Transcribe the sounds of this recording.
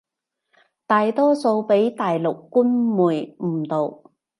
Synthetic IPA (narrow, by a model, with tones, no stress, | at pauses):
t̪aː˨jt̪ɔː˥so˧wpe˨˥jt̪aː˨jlʊ˨kːuː˥nmuː˨˩jm̩˨˩t̪o˨w